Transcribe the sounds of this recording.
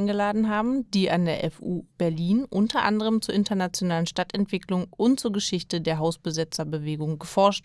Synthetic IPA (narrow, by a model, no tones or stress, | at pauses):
nɡəlaːdn̩ɦaːbm̩d̥iːʔandeːɐʔɛfuːb̥ɛɐliːnʔʊntɐʔa̰ndəʁ̞əmt͡suːɐɪntɐnat͡sjonaːlənʃtatɛntv̥ɪklʊŋʔʊntt͡suːɐɡəʃɪçtədeːɐɦaʊsb̥əzɪt͡sɐbəveːɡʊŋɡəfɔɐʃt